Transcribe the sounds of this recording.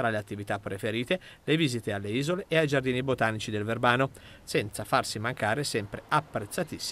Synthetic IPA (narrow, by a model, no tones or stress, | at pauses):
t̪ɾaleat̪ːivit̪apːɾefeɾiːt̪eleviːzit̪ealːeiːzoleʔːajd͡ʒard̪iːnibot̪aːnit͡ʃid̪elverbaːno | sɛnt̪safarsimaŋkaːɾesɛmpɾeapːɾet̪sːat̪isː